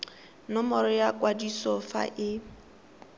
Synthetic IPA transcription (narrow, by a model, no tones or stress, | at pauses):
nɔmɔɾɔjakʼwadisɔfa̰ʔɪ